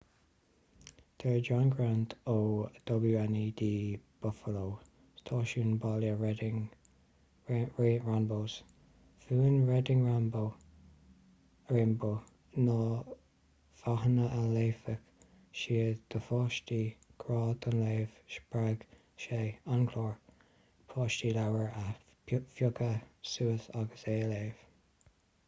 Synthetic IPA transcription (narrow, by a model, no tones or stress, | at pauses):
t̪ʰəɹd͡ʒanɡɾant̪ʰod̪̥ɔɡuanid̪iːb̥ʊfəlow | st̪ʰɑːʃuːnbaljəɹɛdɪŋ | ɹeːɹanboːs | fuːnɹɛd̪ɪŋɹambo | ɹɪmbo | nɔ | faɦnəʔəleːfək | ʃiːd̪̥əfɑːʃtiːɡ̥ɾɑːd̪ənleːv̥ʃpɹaɡ̥ | ʃeːankʰloːɹ | pʰɑːʃtiːlawəɹə | fjʊɡəsuːəθaɡəseːleːv̥